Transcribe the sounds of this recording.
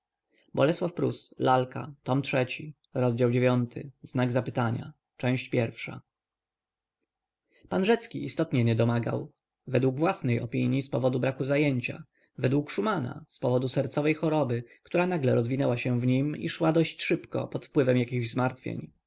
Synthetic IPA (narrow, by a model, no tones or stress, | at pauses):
bɔlɛswafpɾṵslalkʰa̰t̪ɔmtʂɛt͡ɕi | ɾɔzd͡ʑawd͡ʑevʲjɔnt̪ʰɘ̰znaɡzapɘt̪aɲa̰ | t͡ʂɛ̃w̃ɕt͡ɕpʲjɛɾfʂa̰ | panʐɛt̪skʲiʔist̪ɔt̪ɲɛɲɛd̪ɔmaɡa̰w | vɛd̪wuɡvwasnɛjɔ̰pʲiɲjispɔvɔd̪ubɾakuzajeɲt͡ɕa̰ | vɛd̪wukʂumana̰spɔvɔd̪usɛɾt̪sɔvɛjxɔɾɔbɘkt̪uɾanaɡlɛɾɔzvʲinɛwaɕɛ̃vɲimḭʂwad̪ɔɕt͡ɕʂɘpkɔ̰pɔt̪fpwɘvɛmjakʲiɣʑzmaɾt̪fʲjḛɲ